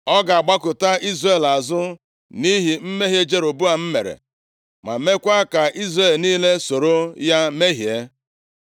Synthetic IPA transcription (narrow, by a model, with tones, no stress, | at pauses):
ɔ˦ɡa˨a˨ɡ͡ba˦kʊ˨ta˦i˦zre˦˨la˨zʊ˦ | ni˦ɦi˨m̩˦me˦ɦje˦d͡ʒe˦ɾo˨bu˦a˨m̩˦me˨ɾḛ˨ | ma̰˨me˦kʷa˦ka˨ʔi˦zre˦˨lniː˦le˦so˨ɾo˦ja˦me˦ɦje˦